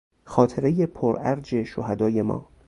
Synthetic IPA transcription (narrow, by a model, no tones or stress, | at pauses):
xɒːt̪ʰe̞ɾejepʰoɾæɾd͡ʒe̞ʃohæd̪ɒːje̞mɒ̰ː